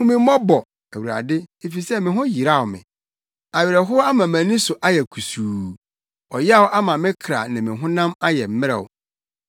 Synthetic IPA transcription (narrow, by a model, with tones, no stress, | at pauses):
hʊ̃˦mɪ̃˦mɔ˦bɔ˨ | æ˨wu˨ɾa̰˨dɪ˦e˨fi˨sɛ˦mɪ̃˨ɦʊ̃˦ji˨ɾa˦˨wʊ˨mɪ̰̃˨ | a˨ɥɪ˨ɾɛ˨ɦʊ˦a˦mã˨mæ̃˨nĩ˦sʊ˨ʔa˦jɛ˨kʰu˨suː˨ | ɔ˨jɛ˦a˦wʊ˦ʔa˦mã˨mɪ̃˦kʰɾa̰˨nã˨mɪ̃˨ɦʊ̃˦nã˦ma˦jɛ˨m̩˦mɪ̃˦ɾɛ̰˨wʊ̰˨